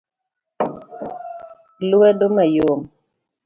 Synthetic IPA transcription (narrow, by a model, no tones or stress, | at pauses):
luwɛdomajom